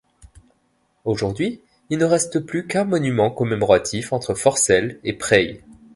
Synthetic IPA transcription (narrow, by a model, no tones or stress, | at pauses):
oʒuʁd̪ɥi | ilnəʁɛst̪əplykɛ̃mɔnymɑ̃kɔmemɔʁat̪ʰifɑ̃t̪χəfɔʁsɛlepχɛj